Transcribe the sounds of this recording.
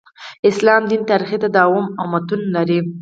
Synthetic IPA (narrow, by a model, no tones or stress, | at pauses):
ɪslɑmd̪int̪ɑɾixit̪ad̪ɑwʊmamat̪unlaɾi